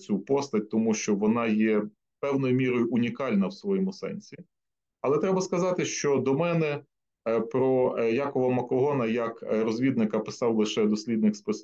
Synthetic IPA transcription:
t͡sʲupɔst̪ɐt̚ʲt̪ɔmuʃt͡ʃɔʋɔnɑjɛ | pɛwnɔjʊmʲiɾɔjʊʔʊnʲikɑlʲnɐwsʋɔjɔmʊsɛ̰nʲsʲi | ɐlˠɛt̪ɾɛbɐskɐzɑt̪ɪʃt͡ʃɔd̪ɔmɛnɛ | pɾɔjɑkɔʋɐmɐkɔɦɔnɐjɐkɾɔzʲʋʲid̪nɪkɐpɪsɑwlˠɪʃɛd̪ɔsʲlʲid̪nɪkspɪs

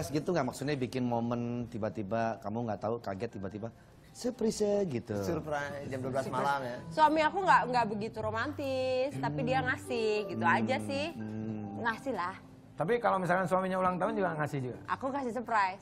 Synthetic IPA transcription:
sɡit̪uŋɡaʔmaksʊt̪̚ɲabikɪnmomənt̪ibat̪ibakamuŋɡat̪aukaɡɛt̪ːibat̪iba | səpɾisəɡit̪usurpɾajsd͡ʒamduabəlasmalamjasuamiakuŋɡaʔŋɡaʔbəɡit̪uɾomant̪ɪst̪apidiaŋasɪhɡit̪uad͡ʒasɪhŋasɪhlah | t̪ap̬ikalomis̬alkansuamiɲaulaŋt̪aʊnd͡ʒuɡaŋasɪhd͡ʒuɡa̰ʔa̰kuŋasɪhsəpɾajs

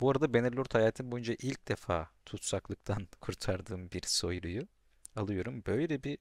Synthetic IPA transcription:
b̥uaɾad̪abeniɾlʲˠuɾt̪hajaːt̪ʰinbo̞jund͡ʒaʔilʲc̚d̪efa̰ːt̪ʰut̪saklˠɯk̚t̪ʰankʰuɾt̪ʰaɾd̪ɯːmbiɾso̞jɾuju | alˠɯjo̞ɾumbø̞jlʲɛbi

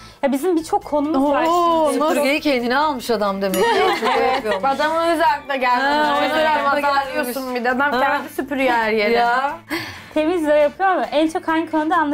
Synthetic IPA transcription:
jabizimbit͡ʃʰo̞kʰːo̞numuzoɾɡejicʰejnd̪inɛalˠmɯʃad̪amd̪e̞mɛ | ad̪amɯzælʲd̪ɛɟælid̪eɾamaalijoɾsunmbid̪ad̪amfɛnd̪isypyɾjæɾjeɾ | t̪ʰe̞mizlʲejapʰɯjomʔænt͡ʃʰo̞khankʰønd̪anlˠ

